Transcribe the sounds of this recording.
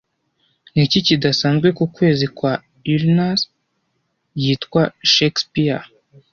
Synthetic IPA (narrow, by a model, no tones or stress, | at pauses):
nicicidasaːnzɡwe̞kukwe̞ːzikwa | ilnas | jiːtkwaʃekspia